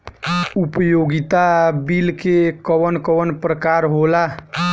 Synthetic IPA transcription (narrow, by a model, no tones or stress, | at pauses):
upəjoɡit̪abilkekəwənkəʋənpɾəkaɾɦola